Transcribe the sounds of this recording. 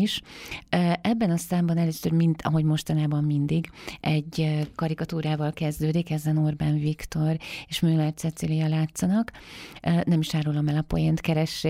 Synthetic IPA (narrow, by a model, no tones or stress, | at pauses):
iʃøːʔɛbːɛnɒsaːmbɒnɛløːsørmint̪ʰɒ̰ɦo̞ɟmo̞ʃt̪ɒnaːbɒmːind̪iɡʔɛɟkɒɾikɒt̪uːɾaːvɒlkɛzd̪øːd̪ikɛzɛnorbaːnvikt̪o̞ɾeːʃmøːlɛrsɛt̪silijɒlaːt̪sːɒnɒk | ønɛmiʃaːɾulɒmɛlɒpo̰jent̪kɛɾɛʃːe